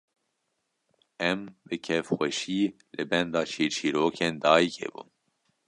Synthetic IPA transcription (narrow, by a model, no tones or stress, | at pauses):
ɛmbɨkʰɛvxʷɛʃiː | lɨbɛnd̪ɑːt͡ʃʰiːɾt͡ʃʰiːɾoːkʰeːnd̪ɑːjikḛːbṵn